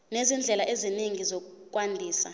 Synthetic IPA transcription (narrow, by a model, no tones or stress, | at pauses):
nezind͡ɮʱɛlaʔeziniŋizɔk̬uk̬ʼwandʱiːsa